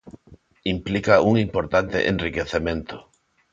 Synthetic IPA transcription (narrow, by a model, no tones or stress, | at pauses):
implikaʔuŋimpoɾt̪ant̪ḛʔẽnrikeθemẽnt̪ʊ